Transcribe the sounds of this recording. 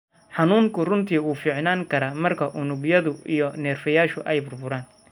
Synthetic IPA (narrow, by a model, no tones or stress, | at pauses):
ħɑnuːŋkʰʊrʊnt̪ʰiːuːfiːʕnaːŋkʰɐɾɐːmɐrkʰɐʔʊnʊɡjɐðʊʔijɔnɛːrfɐjaːʃʊʔɛjbʊrbʊɾaːn